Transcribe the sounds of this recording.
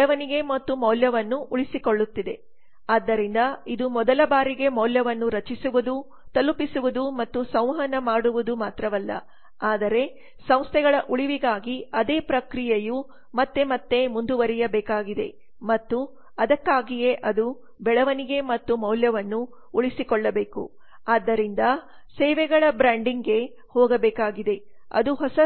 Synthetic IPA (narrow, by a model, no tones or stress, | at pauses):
ɭɐʋɐniɡe̞mɐt̪ːumɐwljɐʋɐnːuʔuɭisikoɭːut̪ːid̪e̞̰ | aːd̪ːɐɾind̪ɐid̪umɔd̪ɐlɐbaːɾiɡe̞mɐwljɐʋɐnːuɾɐt͡ʃisuʋud̪u | t̪ɐlupisuʋud̪umɐt̪ːusɐ̃w̃ɦɐnɐmaːɽuʋud̪umaːt̪ɾɐʋɐlːɐ̰ | aːd̪ɐɾe̞ | sɐ̃w̃st̪ʰɛɡɐɭɐʔuɭiʋiɡaːɡiɐd̪eːpɾɐkɾijɐju | mɐt̪ːe̞mɐt̪ːe̞mund̪uʋɐɾijɐbɛːkaːɡid̪e̞̰ | mɐt̪ːu | ɐd̪ɐkːaːɡije̞ʔɐd̪u | bɛɭɐʋɐniɡe̞mɐt̪ːumɐwljɐʋɐnːu | uɭisikɔɭːɐbeːkṵ | aːd̪ːɐɾind̪ɐ | sɛːʋɛɡɐɭɐbɾaːɳɖiŋɡe̞ | hɔːɡɐbɛːkaːɡid̪e̞ | ɐ̰d̪uɦɔsɐ